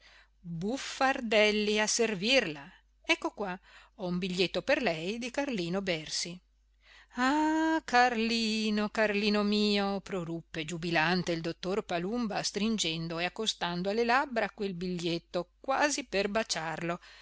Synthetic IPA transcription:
bufːard̪ɛlːiaservirla | ɛkːokwa | ɔumbiʎːet̪ːoperlɛjd̪ikarliːnobɛrsi | akarliːnokarliːnomiːopɾorupːed͡ʒubilant̪eild̪ot̪ːorpalumbast̪ɾind͡ʒɛnd̪oeakːost̪and̪oalːelabɾakwelbiʎːet̪ːokwaːziperbat͡ʃarlo

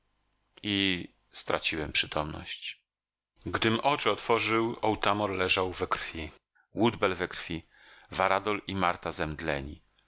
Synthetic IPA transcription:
i | st̪ɾa̰t͡ɕiwɛmpʂɘt̪ʰɔmnɔ̰ɕt͡ɕ | ɡd̪ɘmʔɔt͡ʂɘɔt̪fɔʐɘwɔwt̪amɔɾlɛʐawvɛkɾfʲi | wud̪bɛlvɛkɾfʲi | vaɾad̪ɔlimaɾt̪azɛmd̪lɛ̰ɲḭ

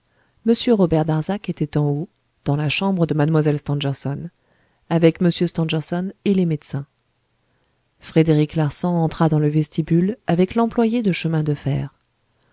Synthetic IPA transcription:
məsjøʁɔbɛʁd̪aʁzaket̪ɛt̪ɑ̃o | d̪̥ɑ̃laʃɑ̃bʁəd̪əmad̪mwazɛlst̪ɑ̃ʒɛʁsɔn | avɛkməsjøst̪ɑ̃ʒɛʁsɔnelemed̪sɛ̃ | fχed̪eʁiklaʁsɑ̃ɑ̃t̪χad̪ɑ̃ləvɛst̪ibylavɛklɑ̃plwajed̪əʃəmɛ̃d̪əfɛːʁ

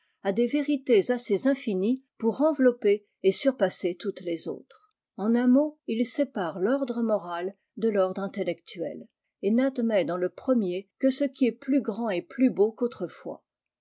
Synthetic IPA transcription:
ad̪eveʁit̪ezasezɛ̃finipuʁɑ̃vlɔpe | esyʁpaset̪ut̪lezo̰ːt̪χ | ɑ̃nɛ̃moilsepaʁlɔʁd̪ʁəmɔʁal | d̪əlɔʁd̪ʁɛ̃t̪elɛkt̪ʰɥɛ̰l | enad̪mɛd̪ɑ̃ləpχəmjekəsəkʲiɛplyɡʁɑ̃eplybokot̪χəfwa̰

